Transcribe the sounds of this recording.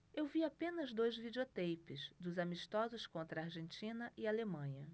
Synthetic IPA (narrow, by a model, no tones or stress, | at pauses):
ewviapẽnɐzd̪ojzvid͡ʒiot̪ejpɪzd̪ʊzamiʃt̪ɔzʊskõnt̪ɾɐaɾʒẽnt͡ʃĩnɐʔɪalemɐ̃ɲɐ